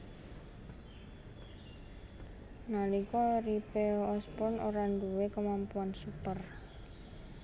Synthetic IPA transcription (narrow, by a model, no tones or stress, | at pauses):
nalikɔɾipeɔspɔnoɾaɳduwekəmampuansupər